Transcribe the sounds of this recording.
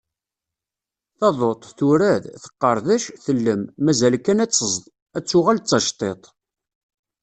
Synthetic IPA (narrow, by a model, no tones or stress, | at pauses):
θɑðˤot̪ˤθʊɾæðθə̥qːəɾˤðæʃθəlːəmːæzælkænæt͡sːəzðˤ | æt͡sːʊʁælt͡sːɑʃt̪ˤet̪ˤ